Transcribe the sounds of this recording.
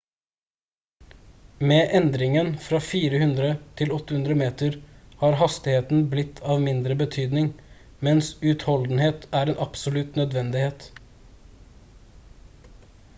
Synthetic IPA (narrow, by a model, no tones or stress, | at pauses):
meːʔɛnd̪ɾɪŋənfɾɑːfiːɾəhʉnd̪ɾət̪ʰɪlɔt̪ːəhʉnd̪ɾəmeːt̪əɾhɑːɾhɑst̪ɪheːt̪n̩blɪt̪ʰɑːʋmɪnd̪ɾəbət̪ʰyːd̪nɪŋ | mɛnsʉt̪hɔld̪n̩heːt̪æːɾeːnʔɑpsʊlʉt̪nœd̪ʋɛnd̪ɪheːt̪